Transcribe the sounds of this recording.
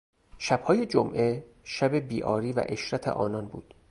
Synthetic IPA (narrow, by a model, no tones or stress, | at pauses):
ʃæb̥hɒːje̞d͡ʒomʔe̞ | ʃæbe̞biːʔɒːɾiːvæ̰ʔe̞ʃɾæt̪ʰḛʔɒ̰ːnɒnbṵːd̪̥